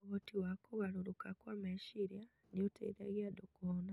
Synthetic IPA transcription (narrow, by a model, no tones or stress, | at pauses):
oɣotiwakoɣaɾoɾokakwamɛʃiɾia | niotḛiɾa̰ɣiadokɔna